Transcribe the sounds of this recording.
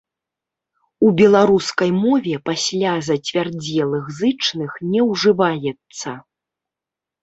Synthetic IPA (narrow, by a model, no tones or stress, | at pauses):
ubʲɛlˠaɾuskɐjmɔvʲɛpasʲlʲazɐt͡sʲvʲard͡zʲɛlˠɨɣzɨt͡ʂnɨxnʲɛwʐɨvajɛt̪sːɐ